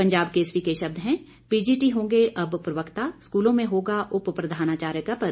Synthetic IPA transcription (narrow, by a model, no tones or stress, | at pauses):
pɐ̃ɲd͡ʒaːbkeːsɾikeʃɐbd̪ɦɛ̃ | piːd͡ʒiːʈiɦõːɡeʔɐbpɾɐʋəkt̪askuːlõmẽɦoːɡaʔʊppɾɐd̪ʱaːnaːt͡ʃaːɾjəkapɐɾ